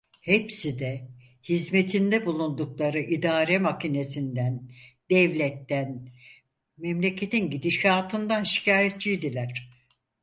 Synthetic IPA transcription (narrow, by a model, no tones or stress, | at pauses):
hepsid̪ɛ | hizme̞t̪ʰind̪ɛbulˠund̪uklˠaɾɯʔid̪aːɾɛmacine̞sind̪ænd̪̥ɛvlʲɛt̪ːæn | mɛmlʲe̞cʰe̞t̪ʰinɟid̪iʃaːt̪ʰɯnd̪anʃi̥cʰaːjet̪̚t͡ʃijd̪ilʲæɾ̥